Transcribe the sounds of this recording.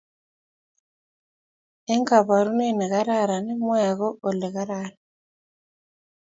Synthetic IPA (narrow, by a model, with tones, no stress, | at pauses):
ɛ˦ŋka˨βa˨ɾu˦nɛ˦˨nɛ˨ɣa˦ɾa˦˨ɾa˨nɛ˦mɔ˦ja˨ɣɔ˦ɔ˨lɛ˨ɣa˦ɾa˦ɾa˨